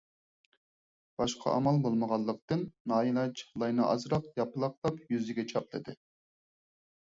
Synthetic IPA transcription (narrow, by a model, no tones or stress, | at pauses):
b̥ɑʃqʰɑ̰ʔɑ̰mɑlˠbolˠməʁɑlˠːəq̚t̪ɨnːɑːilˠɑt͡ʃlˠɑjnɨʔɑ̰zɾɑqjɑpɨlˠɑq̚d̪ˠɑpjyzɪɡʲɛt͡ʃʰɑp̚d̪ɪd̪ɪ